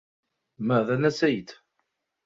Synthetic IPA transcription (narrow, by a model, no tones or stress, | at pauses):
məðænæsæjt̪